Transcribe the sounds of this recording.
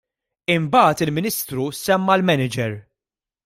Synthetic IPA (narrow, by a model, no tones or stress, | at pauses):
ɪmbɐːt̪ɪlmɪniːst̪ɾusɛmːɐlmɛnɪd͡ʒɛɾ